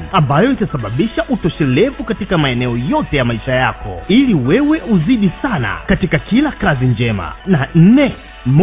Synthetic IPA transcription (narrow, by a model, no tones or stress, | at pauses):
ambajɔitasaɓaɓiʃaʔutɔʃɛlɛvukatikamaɛnɛɔjɔtɛjamaiʃajakɔ̰iliwɛwɛʔuziɗisana̰katikakilakazind͡ʒɛma̰nan̩nɛ | m